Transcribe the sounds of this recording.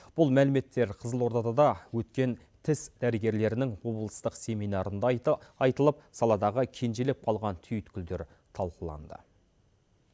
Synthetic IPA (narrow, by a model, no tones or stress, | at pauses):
b̥ʊlˠmælɪme̞t̪ːe̞ɾqʰəzəlˠwo̞ɾt̪ɑd̪ɑd̪ɑwɵt̪kʲe̞n | t̪ʰɪsd̪æɾɪɡʲe̞ɾle̞ɾɪnɪŋwo̞blˠəst̪əqse̞mijnɑɾənd̪ɑjt̪əlˠəp̚sɑlˠɑd̪ɑʁəkʲʰe̞nʒe̞lep̚qʰɑlˠʁɑnt̪ʰʏjʏt̪kʲɪld̪e̞ɾ | t̪ʰɑlˠqəlˠɑ̰nd̪ə̰